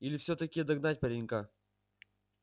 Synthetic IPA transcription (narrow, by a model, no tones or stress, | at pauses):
ilʲɪfsʲot̪ɐkʲijd̪ɐɡnatʲpɐɾʲiŋʲka